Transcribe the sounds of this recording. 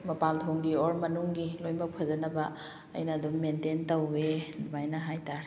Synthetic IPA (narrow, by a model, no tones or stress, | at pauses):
mɐpaltʰoŋɡioɾmɐnuŋɡilojmbɐk̚pʰɐd͡ʒɐnɐbɐ̰ː | jnɐːdummententɐwːenumajnɐɦajtaɾ